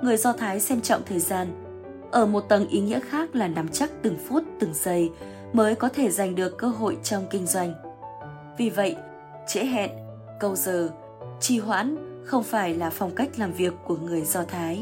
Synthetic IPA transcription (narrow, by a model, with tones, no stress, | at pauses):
ŋɨ˨˩əjzɔ˧t̪ʰaː˨˦jsɛ˧mt͡ɕɔ̰˧˨wŋ͡mt̪ʰəː˨˩jzaː˧n | ʔəː˧˩mo˨˩t̚t̪ə˨˩nʔi˨˦ŋḭ˧˥əxaː˦˥k̚laː˨˩na˨˦mt͡ɕa˦˥k̚t̪ɨ˨˩ŋfu˦˥t̚t̪ɨ˨˩ŋzə˧j | məː˨˦jkɔ˨˦t̪ʰe˧˩za˨˩jŋ̟ɗɨ˨˩əkːəː˧ɦo̰˧˨jt͡ɕɔ˧wŋ͡mkï˧ŋ̟zwa˧jŋ̟ | vi˨˩və̰˧˨j | t͡ɕḛ˧˥ɦɛ̰˧˨n | kə˧wzəː˨˩ | t͡ɕi˧˩ɦwa̰ː˧˥nxə˧wŋ͡mfaː˧˩jlaː˨˩fɔ˨˧wŋ͡mka˦˥jk̟̚laː˨˩mvi˨˩əkːu˧˩əŋɨ˨˩əjzɔ˧t̪ʰaː˨˦j